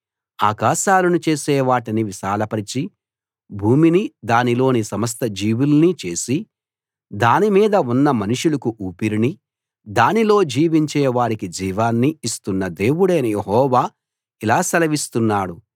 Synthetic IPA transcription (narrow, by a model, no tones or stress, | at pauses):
a̰ːkaːʃaːlunut͡ʃe̞ːsɛːʋaːʈiniʋiʃaːlɐpɐɾit͡ʃi | bʱuːminid̪aːnilo̞ːnisɐmɐs̬t̪ɐd͡ʒiːʋulunit͡ʃe̞ːsi | d̪aːnimiːd̪ɐunːɐmɐnuʂulɐkuʔuːpiɾini | d̪aːnilo̞ːd͡ʒiːʋiɲt͡ʃɛːʋaːɾikid͡ʒiːʋaːnːiːst̪unːɐd̪e̞ːwuɽeːnɐjeɦɔːʋaː | ilaːsɐlɐʋist̪unːaːɽu